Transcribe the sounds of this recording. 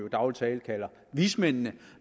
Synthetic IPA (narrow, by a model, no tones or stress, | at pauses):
jod̥ɑ̈ʊlt͡sʰɛːlkʰælɐ | ʋismen̰nə